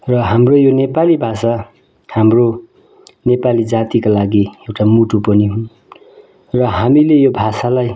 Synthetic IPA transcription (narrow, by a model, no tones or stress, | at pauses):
rʌɦamrojonepalibʱasa | hamro | nepalid͡zat̪ikalaɡiewʈamuʈupʌniɦũ | rʌɦamilejobʱasalaj